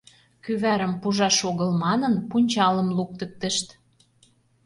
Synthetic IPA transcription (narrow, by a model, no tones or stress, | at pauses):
kyβæɾə̆mpuʒɑʃoɣɤ̆lmɑnə̆npunʲt͡ɕɑlə̆mluk̚t̪ə̆k̚t̪ə̆ʃt̪